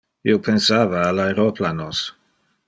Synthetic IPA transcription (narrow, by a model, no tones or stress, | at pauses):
ḭopʰensaːvaːlaeɾoplanos